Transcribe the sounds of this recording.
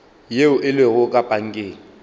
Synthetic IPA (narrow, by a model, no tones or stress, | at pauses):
jeʊʔɪleɣʊkʼapʼaŋ̩kʼeːlɪ